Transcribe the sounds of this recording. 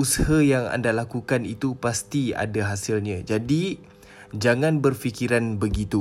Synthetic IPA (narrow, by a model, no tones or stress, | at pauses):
usahajaŋa̰ndalakukanit̪upast̪ia̰daɦasilɲãd͡ʒadi | d͡ʒaŋãnbərfikiɾanbəɡit̪u